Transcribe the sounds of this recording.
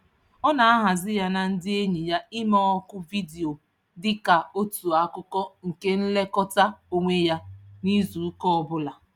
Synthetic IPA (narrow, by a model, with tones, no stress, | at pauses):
ɔ˦na˨a˦ɦa˨zɪ˦ja˦na˨n̩˦dɪ˦e˦ɲi˨ja˦ɪ˦mɔ˦ɔ˦kʊ˦vi˦di˨o˨ | dɪ˦ka˨o˦tu˨a˦kʊ˦kɔ˦ŋ̩˨ke˦n̩˦le˦kɔ˦ta˦o˦ŋʷe˦ja˦ni˦zu˨˦kɔ˦ɔ˨bʊ˦la˨